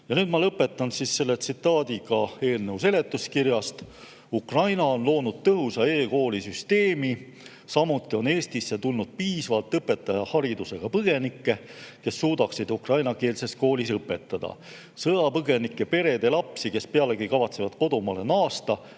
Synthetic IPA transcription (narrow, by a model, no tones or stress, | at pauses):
jɑnyːd̪mɑlɤpːˑe̞t̪ːˑɑnsisːe̞lːet̪sit̪ˑːɑːd̪̥iɡɑe̞ːlnɤwse̞le̞t̪ːˑuskiɾjɑst̪ | ukrɑjnɑo̞nlo̞ːnud̪̥̚t̪ɤɦusɑe̞ːko̞ːlisyst̪e̞ːmi | sɑmːut̪ːˑio̞ne̞ːst̪isːe̞t̪ulnud̪̥̚piːsvɑlt̪ːˑɤpːˑe̞t̪ːˑɑjɑhɑɾid̪use̞ɡ̥ɑpɤɡ̥e̞nikːe̞ke̞sːuːd̪ɑksid̪̥ukrɑjnɑke̞ːlse̞sko̞ːlis̬ɤpːˑe̞t̪ˑːɑd̪̥ɑ̰ | sɤjɑpɤɡe̞nikːe̞pe̞ɾe̞d̪̥elɑpsike̞speɑleɡikɑvɑt̪se̞vɑd̪̥ko̞d̪̥umɑle̞nɑːst̪ɑ